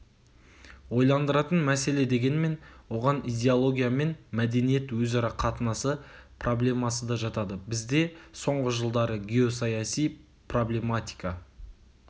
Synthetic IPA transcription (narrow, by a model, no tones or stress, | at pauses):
wo̞jlˠɑnd̪əɾɑt̪ənmæse̞le̞d̪e̞ɡʲe̞nme̞nwo̞ʁɑnijd̪ʲe̞olˠo̞ɡʲijame̞nmæd̪e̞nije̞t̪wɵzɑɾɑqʰɑt̪ənɑsəpʰrʔo̞blʲe̞mɑsəd̪ɑʒɑt̪ɑd̪əbɪzd̪e̞so̞ɴʁəʒəlˠd̪ɑɾəɡʲe̞o̞sɑjɑsij | pro̞blʲe̞mat̪ʲi̥jkɑ